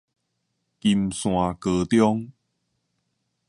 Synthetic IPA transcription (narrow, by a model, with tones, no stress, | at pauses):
ki˧˩msw̃ã˨kə˧˩t̪jɔ˦ŋ